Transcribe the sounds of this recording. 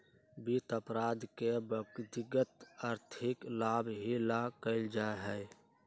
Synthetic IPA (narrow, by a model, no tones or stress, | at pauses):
bit̪əpɾaːd̪kebəkd̪ɪɡət̪əɾt̪ʰɪklaːbɦilakəɪld͡ʒaeɦɛ